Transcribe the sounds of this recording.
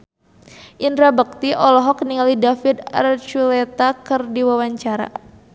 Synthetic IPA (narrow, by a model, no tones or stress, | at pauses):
ʔindɾabək̚t̪iʔɔlɔɦɔkniŋalidafid̪a̰rt͡ʃulɛt̪akərdiwawaɲt͡ʃaɾa̰